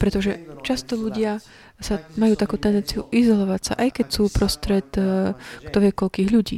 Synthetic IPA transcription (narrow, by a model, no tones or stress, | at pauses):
pɾɛt̪ɔʒɛt͡ʃast̪ɔʎuɟɪa | samajuːt̪akuːt̪ɛnd̪ɛnt͡siuʔizɔlɔʋacsa̰ʔajkɛcsuːpɾɔst̪ɾɛt̪kt̪ɔʋɪɛkɔʎkiːɣʎuɟḭː